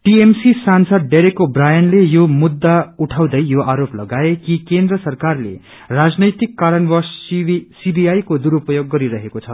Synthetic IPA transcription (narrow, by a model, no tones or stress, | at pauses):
ʈiemsisansʌd̪̚ːeɾekobrajʌnlejomud̪ːauʈʰaw̃d̪ʌjjoʔaɾoplʌɡaekikend̪rʌsʌrkarlḛ | rad͡znʌjt̪ikːaɾʌnbʌssibijajkod̪uɾupʌjoɡːʌɾiɾʌɦekot͡sʰʌ